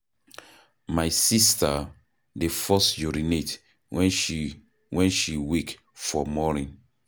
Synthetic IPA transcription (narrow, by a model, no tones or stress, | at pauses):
majsista | defɔsd͡ʒuɹinet | wʔɛ̃nʃiwik | fɔmɔnĩn